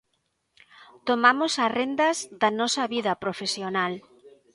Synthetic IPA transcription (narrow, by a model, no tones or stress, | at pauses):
t̪omamosarend̪ɐzðɐnɔsɐβiðɐpɾofesjonal